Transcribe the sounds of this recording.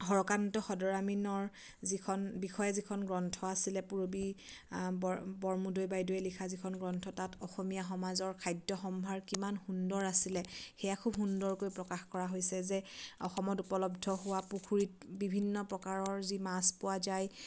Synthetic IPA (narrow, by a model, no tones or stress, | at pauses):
ɦɔɹɔkantɔxɔdɔɹaminɔɹ | zikʰɔnbixɔjɛzikʰɔnɡɹɔntʰɔasilɛpuɹobi | bɔbɔɹmudojbajdoɛlikʰazikʰɔnɡɹɔntʰɔtatɔxɔmijaxɔmazɔɹkʰajdjɔxɔmbʱaɹkimanxundɔɹasilɛxɛjakʰubɦundɔɹkojpɹɔkaxkɔɹaɦojsɛzɛɔxɔmɔtupɔlɔbdʱɔɦʊwapukʰuɹit̚bibʱinːɔpɹɔkaɹɔɹzimaspʊwazaj